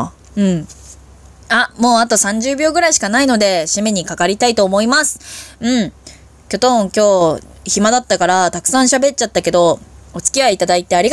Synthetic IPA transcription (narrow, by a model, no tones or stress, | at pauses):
ɯ̟̃ɴ | amo̞ːat̪o̞sãɲ̟d͡ʑɨːbʲo̞ːɡɯ̟ɾaiɕi̥kanaino̞d̪e̞ɕime̞ɲ̟ikakaɾʲit̪ait̪o̞ːmo̞imasɨ̥ɯ̟̃ɴ | kʲo̞t̪õ̞ŋkʲo̞ː | çimad̪at̪ːakaɾat̪akɯ̟̥sãɰ̃ɕabe̞t͡ɕat̪ːake̞d̪o̞ot͡sɨ̥kʲiaiːt̪ad̪ait̪e̞aɾʲiɡ